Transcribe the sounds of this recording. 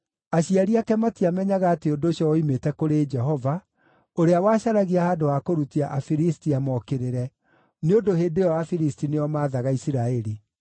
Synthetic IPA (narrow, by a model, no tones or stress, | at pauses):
aɕiaɾiakɛmatiamɛɲaɣaːteodoɕjɔimetɛkoɾed͡ʒɛɦɔva | oɾeawaɕaɾaɣiahaːdoakoɾutiaʔafiɾistiamɔkeɾeɾɛ | neodoheːdeɔafiɾistineɔmaːðaɣaisiɾaɛɾi